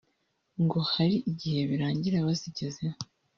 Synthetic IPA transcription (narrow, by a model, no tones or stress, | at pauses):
ŋɡo̞haɾiʔiɟihe̞βiɾaːɲɟiɾaβaziɟe̞zeo